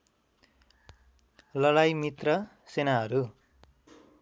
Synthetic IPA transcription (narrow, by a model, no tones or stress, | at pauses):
lʌɽajmit̪rʌ | senaɦʌɾu